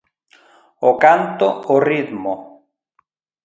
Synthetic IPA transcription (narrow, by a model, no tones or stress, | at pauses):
okant̪ooriðmo